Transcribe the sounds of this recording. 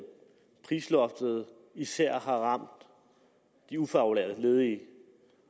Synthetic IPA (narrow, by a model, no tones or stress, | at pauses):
pʰʁiːslɒ̽fd̥ð̞̩ˠ | isæɐ̰ɦɑ̈ʁɑ̈m̰d̥ː | iufɑ̈ulḛɐ̰ðəle̝ːð̞ˠi